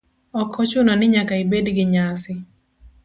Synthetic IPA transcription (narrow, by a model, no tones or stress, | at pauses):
ɔkʰːɔt͡ʃʊnɔnɪɲakaɪbedɡɪɲasɪ